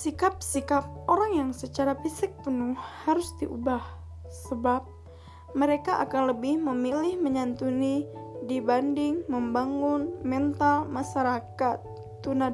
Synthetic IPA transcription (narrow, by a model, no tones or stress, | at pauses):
sikap̚sikap̚oɾaŋjaŋsət͡ʃaɾafisɪk̚pənuhhaɾʊsdiʔṵbah | səbap̚ | məɾekaʔa̰kanləbɪhməmilɪhməɲant̪unidibandɪŋməmbaŋʊnmɛnt̪almaʃaɾakat̪ː | una